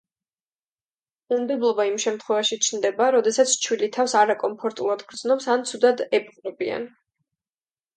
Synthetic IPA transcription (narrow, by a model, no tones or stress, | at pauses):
umd̪ɛblˠɔbaimʃɛmt̪ʰχwɛvaʃit͡ʃʰnd̪ɛbaɾɔd̪ɛsat̪sʰt͡ʃʰwilit̪ʰafsaɾakʼɔmpʰɔɾt̪ʼulˠad̪ɡɾd̪znɔpsant̪sʰud̪ad̪ɛpʼqʼɾɔbia̰n